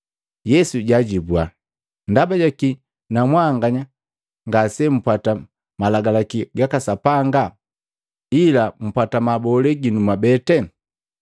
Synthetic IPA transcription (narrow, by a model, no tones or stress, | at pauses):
jɛsuɟaɟibwa | ndabaɟaki | namwaŋɡaɲa | ŋɡasɛm̩pata | malaɡalakiɡakasapaŋɡa | ilam̩patamabɔlɛɡinumabɛtɛ